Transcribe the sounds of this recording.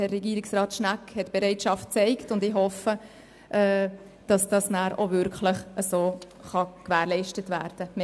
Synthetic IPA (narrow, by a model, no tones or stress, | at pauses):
hɛrːɛɡiːɾɪksrɑːtʃnækhɛtb̥eɾɛɪtʃɑft̚t͡sɛɪktʊndɪɦɔfə | ʔɛː | d̥ɑsd̥ɑsnæːɾovʏɾkləχəsoː | χɑkʋæːɾlɛɪʃtətʋæ̰ːɾd̥əm